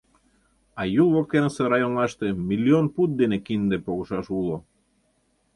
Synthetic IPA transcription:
ɑjulˠβokk̪enseɾɑjonlɑʃt̪emilʲːionput̪̚d̪enekind̪epoɣoʃɑʃulˠo

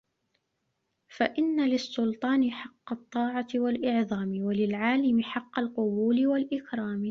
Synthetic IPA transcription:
faʔɪnːalɪsːʊlt̪ˤɑːnɪħɑqːɑt̪ˤːɑːʕɑwalʔɪʕðˤɑːmɪwalɪlʕaːlɪmɪħɑqːɑlqʊbuːlɪwalʔɪkɾˤɑːm

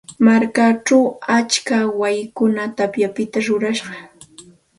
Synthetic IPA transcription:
maɾkaʈ͡ʂawat͡ʃkawajɪkʊnat̪apjapɪt̪aɾʊɾaʃɢɑ

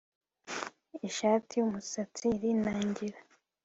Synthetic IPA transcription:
iʃaːtijumusat͡siɾinaːɲɟiɾa

